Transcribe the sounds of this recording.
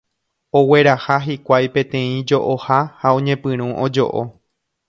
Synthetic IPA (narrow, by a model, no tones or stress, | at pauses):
o̞we̞ɾahaɦikʷajpẽ̞t̪ẽ̞ĩd͡ʒo̞ʔohahaõ̞ɲẽ̞pɨ̃ɾ̃ũʔod͡ʒo̞̰ʔo